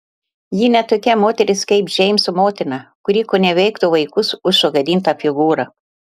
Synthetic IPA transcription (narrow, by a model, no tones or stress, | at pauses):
jinʲɛt̪oːkʲɛmoːt̪ʲɛɾʲɪskɛɪpʒʲɛɪmʲsʊmoːt̪ʲɪnɑkʊɾʲiːkoːnʲɛʋʲɛɪkt̪oʋɐɪkʊsʊʃsoɡɐd̪ʲiːnt̪ɑfʲɪɡuːɾɐ